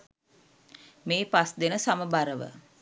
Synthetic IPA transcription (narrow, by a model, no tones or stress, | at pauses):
meːpasd̪enəsaməbaɾəʋə̰